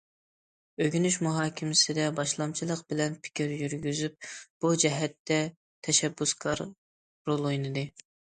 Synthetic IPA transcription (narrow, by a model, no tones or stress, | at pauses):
øɡʲynyʃmuɦɑːkʲʰɪmɪsɪd̪ɛbɑʃlˠɑmt͡ʃʰilˠəqbɪlɛnpʰɪ̥kʲiɾjyɾɡʲyzyp̚b̥ud͡ʒɛɦɛt̪ːɛ | t̪ʰɛʃɛbːuskʰɑɾ | ɾolˠojnɨd̪ɨ